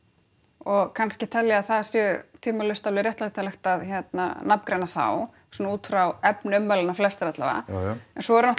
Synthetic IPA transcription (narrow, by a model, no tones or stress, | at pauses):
ɔɣkʰanscɪt̪ʰɛljaaθaðsjœt̪ʰiːmalʏst̪avlɪrjɛht̪lat̪ʰalɛxt̪aðçɛt̪na̰napmkɾejnaθa̰w | suːnauːt̪fɾawɛpnɪʏmvalɪnaflɛst̪ɾɛht̪la̰va̰ɛnsɔɛɾnɔh